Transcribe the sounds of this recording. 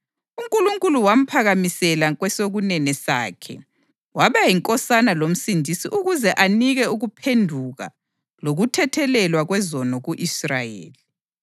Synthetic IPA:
uŋkʼuluŋkʼuluwam̩pʰaɣamisɛlaɣwɛsoɣunɛnɛsa̰ːkʰɛ̰ | waβajiŋkʼɔsanalom̩sindʱisiʔuɣuzɛʔaniɣɛuɣupʰendʱuɣa̰ | loɣutʰɛtʰɛlɛlwaɣwɛzɔnɔɣuʔisrajḛːli

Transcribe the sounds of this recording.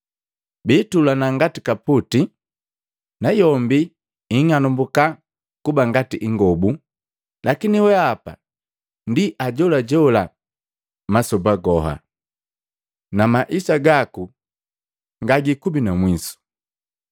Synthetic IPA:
biːtulanaŋɡatikaputi | najɔmbi | iŋanumbuka | kubaŋɡatiʔiŋɡɔbu | lakiniwɛapa̰ | ndiʔaɟɔlaɟɔla | masɔbaɡɔɦa̰ | namaʔisaɡaku | ŋɡaɡikubinamwisu̥

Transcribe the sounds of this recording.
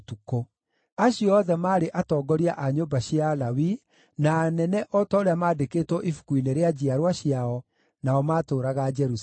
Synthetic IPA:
tuko | aɕijɔðɛmaːɾeʔatɔːɡɔɾiaʔaɲobaɕialawi | naːnɛnɛʔɔtaoɾeamaːdekeːtwɔʔifu̥kuineɾead͡ʑiaɾwaɕjaɔ | naɔmaːtoːɾaɣad͡ʒɛɾus

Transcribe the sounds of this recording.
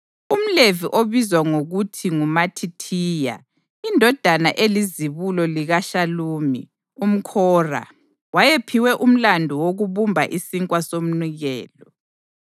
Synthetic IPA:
um̩leviʔoβizwaŋoɣutʰiŋumatʰitʰiːja̰ | indʱɔd̥ʱanaʔeliziβulɔliɣaʃaluːmḭ | um̩kʰɔːra̰ | wajepʰiwɛʔum̩landʱɔwoɣuβumbʱaʔisiŋkʼwasom̩niɣɛːlɔ

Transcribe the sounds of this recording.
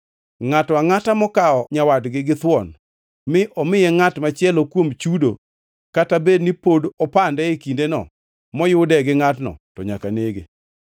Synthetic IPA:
ŋataŋatamɔkaɔɲawadɡɪɡɪt̪wɔn | mɪʔɔmɪjɛŋatmat͡ʃɪɛlɔkwomt͡ʃudo̰ | katabednipodɔpandɛekindenɔ̰ | mɔjʊdɛɡɪŋatnɔ̰tɔɲakaneɡe

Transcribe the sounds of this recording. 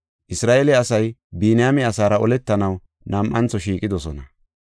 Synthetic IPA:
ʔɪsɾaːʔelɛɐsɐjbiːnɪjamɪɐsaːɾɐɔlɛt̪ːɐnɐw | nɐmʔɐnt͡sːɔʃiːkʼːɪd̪ɔsɔnɐ

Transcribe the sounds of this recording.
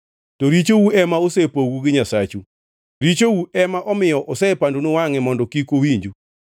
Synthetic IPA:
tɔɾit͡ʃowuɛmaosɛpoɡuɡɪɲasat͡ʃu | ɾit͡ʃowuʔɛmaʔɔmɪjɔʔɔsɛpandunʊwaŋɛmɔndɔkikowiɲd͡ʒu

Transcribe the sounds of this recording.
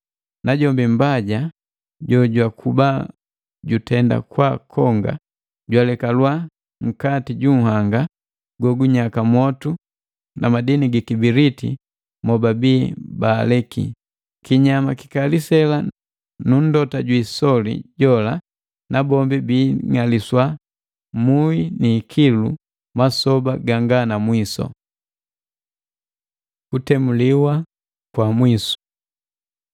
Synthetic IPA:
naɟɔmbimbaɟa | ɟɔɟwakʰuba | ɟutɛnda̰kwakʰɔŋɡa̰ | ɟwalɛkalwa | ŋ̩katiɟuŋ̩haŋɡa | ɡɔɡuɲakamɔtu | namadiniɡikibiɾitḭ | mɔbabiːbaːlɛkḭ | kiɲamaki̥kalisɛla | nun̩dɔtaɟwisɔlḭɟɔla | nabɔmbibiːŋaliswa | muiniːkʰilṵ | masɔbaɡaŋɡanamwisɔ̰ | kutɛmuliwa | kwamwisu̥

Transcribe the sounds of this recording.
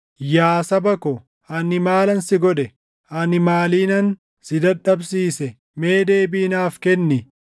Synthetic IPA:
jaːsɐbɐkɔ | hɐnɪmaːlɐnsɪɡɔᶑɛ | ʔɐnɪmaːliːnɐn | sɪd̪ɐᶑɐbsiːsɛ | me̞ːd̪e̞ːbiːnaːfkɛnːɪ

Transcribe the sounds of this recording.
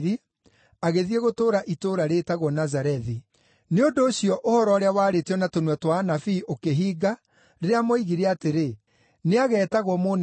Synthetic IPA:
ɾi | aɣeðieɣotoːɾaʔitoɾaɾetaɣwɔnazaɾɛði | neondoːɕjɔʔohɔɾɔːɾeawaːɾeteɔnatonwɛtwanafiʔokeɦiːɡa | ɾeɾeamoiɣiɾeateɾe | neaɣɛːtaɣwɔmon

